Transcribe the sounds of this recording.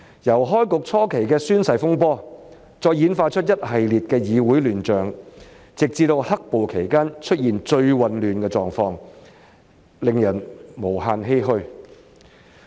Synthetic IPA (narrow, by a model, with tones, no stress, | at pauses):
jɐ˨˩wɦɔː˥jkʊ˨k̚t͡sʰɔː˥kʰe˨˩jkɛː˧syː˥nsɐ˨˩jfʊ˥ŋpɔː˥ | t͡sɔː˧jjiː˨˥nfaː˧t͡ʃʰɵ˥t̚jɐ˥t̚hɐ˨jliː˨t̚kɛː˧jiː˨˧wuː˨˥jlyː˨˩nt͡ʃœː˨ŋ | t͡sɪ˨k̚t͡siː˧t̪o˧whɐ˥k̚po˨wkʰe˨˩jkaː˥nt͡ʃʰɵ˥t̚jiː˨nt͡ʃɵ˧ɥwɐ˨nlyː˨nkɛː˧t͡sɔː˨˩ŋfɔː˧ŋ | lɪ˨ŋjɐ˨˩nmo˨˩whaː˧nɦe˥jɦɵ˧ɥ